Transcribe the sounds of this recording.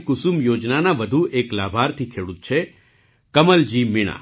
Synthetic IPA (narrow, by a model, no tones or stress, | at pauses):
kʊsumjod͡ʒnanaʋəd̪ʱuʔeklabʱaɾt̪ʰikʰeɽut̪̚t͡ʃʰe | kəməld͡ʒimiɽ̃a̰